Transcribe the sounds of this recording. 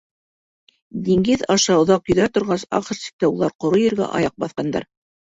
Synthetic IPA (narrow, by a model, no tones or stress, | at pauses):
d̪iŋɡɘðɑʃɑŏðɑqjɵ̆ðæt̪ŏɾʁɑsɑ̰qɤ̆ɾsi̥k̚t̪æulˠɑɾqŏɾojɘ̆ɾɡæ̰ʔɑ̰jɑq̚bɑθqɑnd̪ɑ̰ɾ